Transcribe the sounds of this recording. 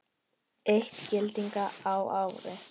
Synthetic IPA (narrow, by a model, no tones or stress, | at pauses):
eht̪cɪlt̪iŋkaawawɾɪ